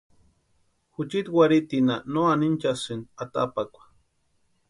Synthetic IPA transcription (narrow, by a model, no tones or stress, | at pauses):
xut͡ʃit̪waɾit̪inanoanint͡ʃasɨnat̪a̰pakʷḁ